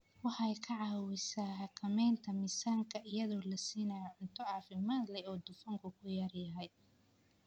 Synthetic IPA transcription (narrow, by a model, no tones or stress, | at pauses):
wɑħɑjkʰɐʕɑːwɪsaːhɑkʰɐmɛjnt̪ʰɐmɪsaːŋkʰɐʔɪjɐðɔːlɐsiːnɐjɔʕʊnt̪ʰɔɑːfɪmaːd̪lɛɔːd̪ʊfɐŋkʰʊkʰʊjɐrjɐɦɛj